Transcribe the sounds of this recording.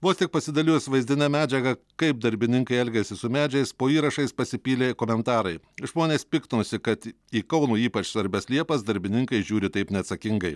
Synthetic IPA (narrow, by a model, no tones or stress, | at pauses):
ʋoːst̪ʲɪk̚pɐsʲɪd̪ɐlʲɪːsʲʋɐɪzʲd̪ʲɪnʲɛmʲæːd͡ʒʲɛɡɐkɐɪp̚d̪ɐɾʲbʲɪnʲɪŋkɐɪɛlʲɡʲɛsʲɪsʊmʲæːd͡ʒʲɛɡɛɪspoːiːɾɐʃɐɪspɐsʲɪpʲiːlʲeːkoːmʲɛnt̪ɑːɾɐɪ | ʒmoːnʲeːspʲɪkt̪osʲɪkɐt̪ | iːkɐʊnuːiːpɐt͡ʃsʋɐɾʲbʲɛslʲiɛpɐsd̪ɐɾʲbʲɪnʲɪŋkɐɪʒʲuːɾʲɪt̪ɐɪpnʲɛɐt̪sɐkʲɪŋɡɐɪ